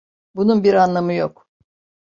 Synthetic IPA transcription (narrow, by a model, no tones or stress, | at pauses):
bununbiɾanlˠamɯjok